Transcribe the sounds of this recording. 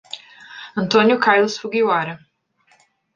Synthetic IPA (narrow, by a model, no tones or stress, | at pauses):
ɐ̃nt̪õnjʊkajlˠʊsfuɡiwaɾɐ